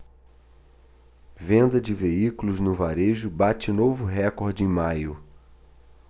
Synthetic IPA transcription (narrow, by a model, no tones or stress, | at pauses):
vẽnd̪ɐd͡ʒɪveikulʊznʊvaɾeʒʊbat͡ʃɪnovʊɦɛkoɾd͡ʒɪẽj̃majʊ